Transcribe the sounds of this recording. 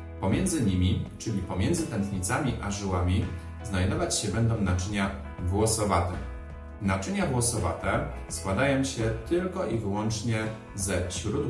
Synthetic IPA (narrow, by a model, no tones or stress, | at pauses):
pɔmʲjɛnd̪zɘɲimʲit͡ʂɘlʲipɔmʲjɛnd̪zɘt̪ɛnt̪ɲit̪samʲiʔaʐɘwamʲi | znajd̪ɔvat͡ɕɕɛbɛnd̪ɔ̃w̃nat͡ʂɘɲa | vwɔsɔvat̪ɛ | nat͡ʂɘɲavwɔsɔva̰t̪ɛ | skwad̪ajɔ̃w̃ɕɛt̪ɘlkɔʔivɘwɔnt͡ʂɲɛ | zɛɕɾud̪